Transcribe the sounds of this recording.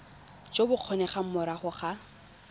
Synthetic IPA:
t͡ʃʼobʊq͡χʰɔnɛχam̩mʊɾaχʊχa

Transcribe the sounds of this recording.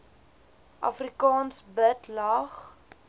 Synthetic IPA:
ʔɐ̰frikɑːnsbətlɐχ

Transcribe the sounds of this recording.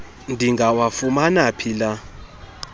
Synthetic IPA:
ndʱiŋɡawafumanapʰila

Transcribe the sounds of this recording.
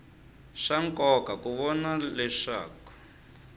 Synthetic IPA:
ʂaŋkʼɔkakuβɔnalɛʂa̰ːkɔ̥

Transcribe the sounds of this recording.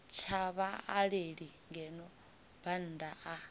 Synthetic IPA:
t͡ʃʰaβaaɺeɺiŋɡɛnɔ | b̥an̩ːdaʔa

